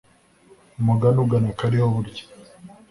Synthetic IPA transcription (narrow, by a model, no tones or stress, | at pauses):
muɡanuɡanakaɾihoβuɾɟi̥